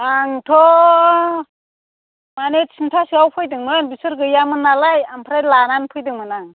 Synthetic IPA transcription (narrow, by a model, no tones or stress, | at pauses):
aŋtʰɔ | manetsintʰasɯawpʰɯjdɯŋmɯnbisɯɾɡɯjamɯnalajampʰɾajlananpʰɯjdɯŋmɯnaŋ